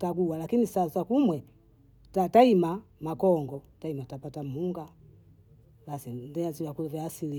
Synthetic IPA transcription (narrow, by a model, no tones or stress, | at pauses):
taɡuwalakinisasakumwɛ | tataimamakɔŋɡɔtaimatapatam̩uŋɡa | lasindɛaziwakulɛvaːsili